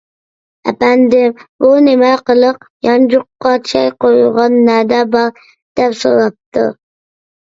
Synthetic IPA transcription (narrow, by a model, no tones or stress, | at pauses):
æ̰pænd̪ɪmbunɪmɛqəlˠɨqjɑnd͡ʒʊqːɑt͡ʃʰɑjqojulˠʁɑnːæd̪ɛbɑɾ | d̪̥ɛpso̰ɾɑp̚t̪ɨ̰